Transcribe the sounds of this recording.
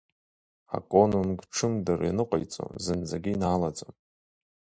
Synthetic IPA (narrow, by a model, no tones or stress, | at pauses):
a̰kʼonunɡʈ͡ʂʰɨmdɨrinɨqʷʼa̰jt͡sʼo̰zɨnd͡zaɡʲiinaːlad͡zʼom